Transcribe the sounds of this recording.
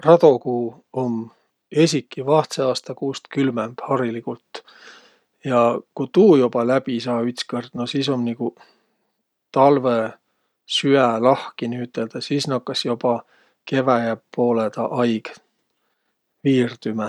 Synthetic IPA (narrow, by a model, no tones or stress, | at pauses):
rɑd̪̥o̞kuː | o̞m | e̞sʲikːˑivɑht̪seɑːst̪ɑkuːst̪kylmemb̥hɑɾilikult̪ | jɑkut̪uːjob̥ɑlæb̥isɑːyt̪skɤrd̪̥nosiːso̞mniku | t̪ɑlve | syælɑhkiniyt̪ːˑe̞ld̪̥ɑsiːsnɑkːɑsjob̥ɑ | ke̞væjæpːo̞ːled̪̥ɑʔɑjɡ̥ | viːrd̪̥ymæ